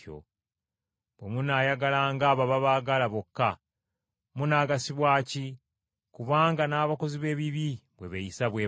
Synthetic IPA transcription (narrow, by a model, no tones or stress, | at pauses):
o̰ | bwemunaːjaɡalaːŋɡaːβaβaβaɡalaβokːa | munaːɡasiβwaːci | kuβaːŋɡanaːβako̞ziβe̞ːβiβiβwe̞βejisaβwe